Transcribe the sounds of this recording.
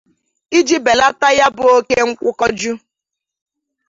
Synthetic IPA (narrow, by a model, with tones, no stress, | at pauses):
i˦d͡ʒi˦be˨la˦ta˦ja˦bʊ˨o˦ke˦ŋ̩˦kʷʊ˦kɔ˦d͡ʒu˦